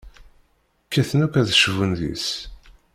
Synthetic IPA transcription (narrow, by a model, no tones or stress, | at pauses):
kːæθnækʷæðʃvunðḭs